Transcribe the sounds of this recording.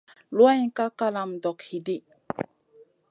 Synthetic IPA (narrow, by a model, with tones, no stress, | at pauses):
lwã˦ka˦ka˦la˨mdɔ˨khi˨di˦